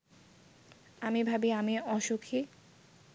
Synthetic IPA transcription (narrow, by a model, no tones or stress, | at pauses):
amibʱabiamiɔʃokʰi